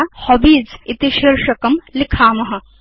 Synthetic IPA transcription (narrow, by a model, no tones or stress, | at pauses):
hobiːd͡zit̪iʃiɾʃɐkɐmlikʰaːmɐɦɐ̆